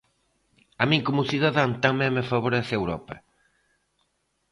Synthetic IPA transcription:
amĩŋkomuθiðaðaŋt̪amɛ̃ŋmefaβoɾeθewɾɔ̰pɐ̰

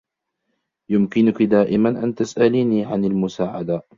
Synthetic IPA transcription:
jʊmkɪnʊkɪd̪aːʔɪmanʔant̪asʔaliniʕanalmʊsaːʕad̪a

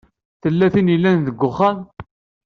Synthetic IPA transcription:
θəlːæθinilːænðəɡːʊχːæn

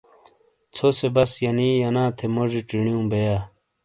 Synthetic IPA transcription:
t͡sʰosebɐsjɐniːjɐnãːt̪ʰemoʐiʈ͡ʂiɳ̃ijũːbejaː

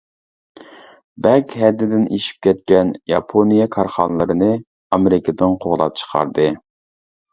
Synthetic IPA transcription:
bɛkʲhɛd̪ːɪd̪ɪnʔiʃi̥p̚kʲʰɛt̪̚kʲɛnjɑpʰonijɑkʰɑɾχɑnlˠɨɾɨnɨ | ɑmeɾɪkʰəd̪ɨnqʰoʁlˠɑ̰p̚t͡ʃʰə̥qʰɑ̰ɾd̪ɨ

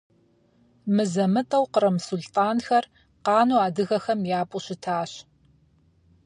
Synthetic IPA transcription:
mɨzɐmɨtʼɐwqəɾɐmʊsʊltʼaːnxɐr | qɑːnuːaːdɨɣɐxɐmjaːpʼuɕɪtʰaːɕ

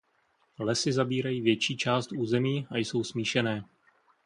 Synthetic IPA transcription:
lɛsɪzabiːɾajiːvjɛt͡ʃiːt͡ʃaːst̪uːzɛmiːajso̞wsmiːʃɛnɛː

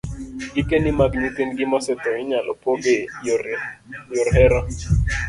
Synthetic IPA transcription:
ɡikenimaɡɲit̪ɪnɡɪmɔsɛt̪ɔɪɲalɔpoɡe | jɔɾɦɛɾa

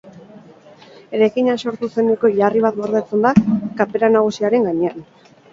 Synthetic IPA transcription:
e̞ɾajkiɲaso̞ɾt̪use̞neko̞ʎariβat̪ɡo̞ɾðet͡se̞nd̪akape̞ɾanaɣ̞usiaɾe̞ŋɡaɲe̞an

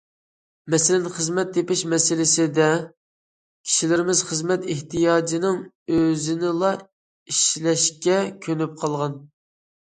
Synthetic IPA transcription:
mɛsɪlɪnχəzmɛt̪̚d̪epɪʃmɛsɪlɪsɪd̪ɛ | kʲʰi̥ʃilɪɾɪmɪzχəzmɛt̪ɪht̪ʰijɑːd͡ʒinɪŋ | øzɪnɪlˠɑ | iʃlɛʃkʲɛkʲʰønyp̚qʰɑlˠʁɑn

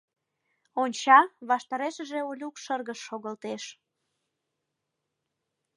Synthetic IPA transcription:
onʲt͡ɕɑβɑʃt̪ɑɾeʃəʒeolʲukʃərɣəʃːoɣəlt̪eʃ

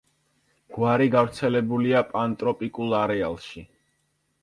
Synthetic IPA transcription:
ɡ̥waɾiɡavɾt̪sʰɛlɛbuliapʼant̪ʼɾɔpʼikʼulˠaɾɛa̰lˠʃi

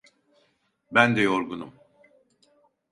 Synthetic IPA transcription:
bænd̪ɛjoɾɡunum

